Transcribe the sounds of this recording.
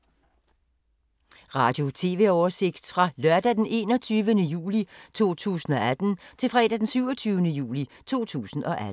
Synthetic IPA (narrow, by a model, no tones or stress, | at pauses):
ʁɑ̈ːd̥jo̝t͡sʰe̝̰ːʋe̝ɒːse̝ɡ̥d̥fʁɑ̈lɶɐd̥æd̥enʔe̝̰ːnɒ̽t͡sʰyːʋənəjṵːlit͡sʰo̝̰ːt͡sʰṵːsn̩ɒ̽æd̥n̩t͡sʰe̝lfʁɛ̰ːdæd̥ensyʊɒt͡sʰyːʊnəjṵːlit͡sʰo̝̰ːt͡sʰṵːsn̩ʔɒ̽ʔæ